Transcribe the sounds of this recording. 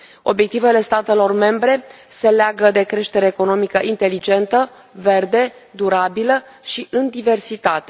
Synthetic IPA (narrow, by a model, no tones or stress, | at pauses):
o̞bje̞k̚t̪ive̞le̞st̪at̪e̞lo̞rme̞mbɾe̞se̞leaɡəd̪e̞kɾe̞ʃt̪e̞ɾeːko̞no̞mikəʔint̪e̞lid͡ʒe̞nt̪ə | ve̞rd̪e̞d̪uɾabiləʃiʔɨnd̪ive̞rsit̪at̪e̞